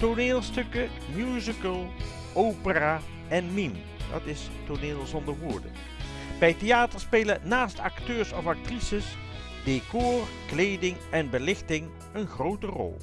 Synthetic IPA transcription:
toɹneːlˠstɵkə | mjuːzəkəlˠ | ʔowpəraː | ɛnmim | d̥ɑ̰tɪs | tʊɹnɪːlˠzɔndəɹʋʊːɹdə̰ | b̥ɛjtejaːtəɹspeːlənaːstɑktøːɹsɔfɑk̚trisəs | dekoːr | klejdɪŋɛnbəlɪχtɪŋ | ənχrowtərɔ̰lˠ

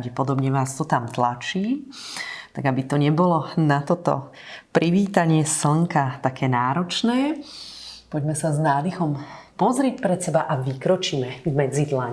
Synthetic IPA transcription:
ɟɛpɔd̪ɔbɲɛʋaːst̪ɔt̪amt̪lat͡ʃiː | t̪aɡabit̪ɔɲɛbɔlɔnat̪ɔt̪ɔ̰ | pɾiʋiːt̪aɲɪɛsl̩ŋkat̪akʰɛːnaːɾɔt͡ʃnɛː | pɔɟmɛsaznaːd̪ixɔmpɔzɾɛc̚pɾɛt̪sɛbaʔaʋikɾɔt͡ʃiːmɛvmɛd͡zid̪laɲ

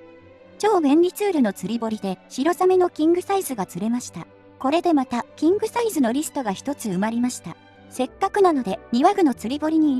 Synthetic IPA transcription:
t͡ɕo̞ːɡẽ̞nʲɾʲit͡sɨːɾɯ̟no̞t͡sɨɾʲibo̞ɾʲid̪e̞ɕiɾo̞zame̞no̞kʲĩŋɡɯ̟saizɨɡat͡sɨɾe̞maɕi̥t̪a | ko̞ɾe̞d̪e̞mat̪akʲĩŋɡɯ̟saizɨno̞ɾʲisɨ̥t̪o̞ɡaçi̥t̪o̞t͡sɨɯ̟maɾʲimaɕi̥t̪a | se̞kːakɯ̟nano̞d̪e̞ɲ̟iβaɡɯ̟not͡sɨɾʲibo̞ɾʲiɲ̟i

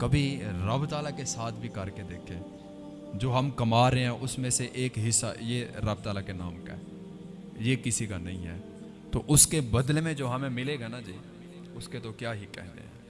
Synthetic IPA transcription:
kɐbʱiɾɐbt̪aːlakesaːt̪ʰbʱikɐɾked̪eːkʰeː | d͡ʒoːɦɐmkɐmaːɾeɦɛ̃ʔʊsmẽseʔeːkɦɪsːa̰jeɾɐbt̪aːlakena̰ːmka̰ɦɛ̰ː | jekɪsikanɐ̰ɦĩɦɛ̰ː | t̪oʔʊskebɐd̪lemẽd͡ʒoːɦɐmẽmɪleɡanad͡ʒiː | ʊsket̪okjaːɦikɛ̰ɦnd̪ḛɦɛ̰̃ː

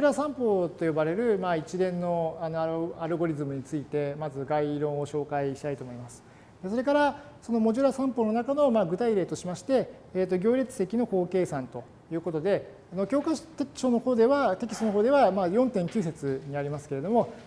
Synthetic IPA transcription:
ɾasãmpo̞ːt̪o̞jo̞baɾe̞ɾɯ̟mait͡ɕid̪ẽ̞nːo̞ano̞aɾɯ̟ɡo̞ɾʲizɨmɯ̟ɲ̟it͡sɨit̪e̞mazɨɡaiɾõ̞ɰ̃o̞ɕo̞ːkaiɕi̥t̪ait̪o̞ːmo̞imasɨ̥ | d̪e̞soɾe̞kaɾa | so̞no̞mo̞ʑɨɾasãmpo̞no̞nakano̞maːɡɯ̟t̪aiɾe̞ːt̪o̞ɕimaɕi̥t̪e̞ː | t̪ːo̞ɡʲo̞ːɾʲet͡sɨ̥se̞kʲino̞ko̞ːke̞ːsãnt̪o̞ | jɯ̟ːko̞t̪o̞d̪e̞ | ano̞kʲoːkat̪eɕo̞ːno̞ho̞ːd̪e̞βat̪e̞kʲi̥st̪onoɦo̞ːd̪e̞βamaːjõ̞nt̪ẽ̞ŋkʲɨːs̬e̞t͡sɨɲ̟iaɾʲimasɨ̥ke̞ɾe̞d̪o̞mo̞

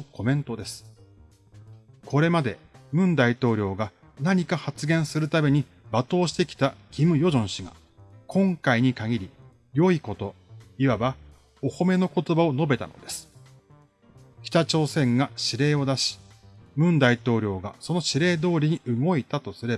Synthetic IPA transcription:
ko̞mẽ̞nt̪o̞d̪e̞sɨ̥ | ko̞ɾe̞mad̪e̞mɯ̟̃nd̪ait̪o̞ːɾʲo̞ːɡa | naɲ̟ikahat͡sɨɡẽ̞ɰ̃sɨɾɯ̟t̪ame̞ɲ̟i | bat̪o̞ːɕi̥t̪e̞kʲi̥t̪akʲimɯ̟jo̞ʑõ̞ɰ̃ɕiɡa̰ | kʰõ̞ŋkaiɲ̟ikaɡʲiɾʲi | jo̞iko̞t̪o̞iβaba | oho̞me̞no̞ko̞t̪o̞bao̞no̞be̞t̪a̰no̞̰d̪e̞sɨ̥ | kʲi̥t̪at͡ɕo̞ːsẽ̞ŋɡaɕiɾe̞ːo̞d̪aɕi̥ | mɯ̟̃nd̪ait̪o̞ːɾʲo̞ːɡaso̞no̞ɕiɾe̞ːd̪o̞ːɾʲiɲ̟iʔɯ̟ɡo̞it̪at̪o̞sɨɾe̞b

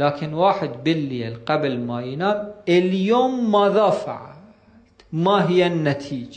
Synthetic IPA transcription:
laːkɪnwaːħɪd̪bɪlːiːlqablmajɪnaːmɪljoːmːaðˤaːfʕa | t̪maɦɪjːanːat̪ʰiːd͡ʒ

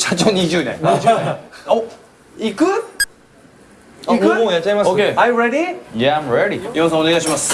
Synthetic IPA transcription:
ɕat͡ɕoːɲid͡ʑɨːnẽŋid͡ʒeo | ikɯ | kmojatt͡ɕaimasokeãjɾeɾijaãjmɹeɾimʲimas̬ãoneɡajɕimas

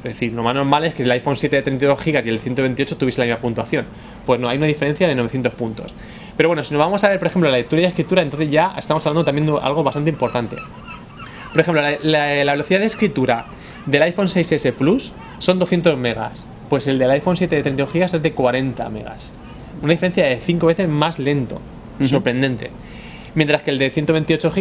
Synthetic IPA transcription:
ezðe̞θiɾlo̞mazno̞ɾmale̞skesielajfo̞nsje̞t̪eet̪ɾe̞nt̪̬iðo̞sxiɣasielθje̞nt̪oe̞nt̪io̞t͡ʃo̞t̪uβiselamizmapunt̪uaθjo̞n | pwe̞zno̞ajunaðife̞ɾe̞n̟θjaðe̞noe̞θje̞nt̪opunt̪o̞̰s | peɾoβwe̞nosino̞zβamo̞saβe̞ɾpoexemplolalek̚t̪uɾjajðeskɾit̪uɾaent̪onθe̞zʝaest̪amsaβlanot̪amje̞nd̪eʔa̰lɣ̞o̞βast̪ant̪impo̞ɾt̪ant̪e̞̰ | po̞ɾexemplolllaβe̞lo̞θiðaðeskɾit̪uɾa | d̪e̞lajfo̞nse̞jsese̞plusː | o̞nd̪o̞sθje̞nt̪o̞zme̞ɣa̰s | pwe̞se̞ld̪e̞lajfo̞nsje̞t̪eðet̪ɾenauxiɣase̞zðe̞kwaɾe̞nt̪a̰me̞̰ɣa̰s | unaðifeɾe̞nθjaðe̞θiŋko̞βe̞θe̞zmazle̞nt̪o̞̰ | so̞ɾpɾe̞nd̪e̞nt̪e̞̰ | mjent̪ɾaskeld̪e̞θjent̪o̞βe̞nt̪io̞t͡ʃo̞xi

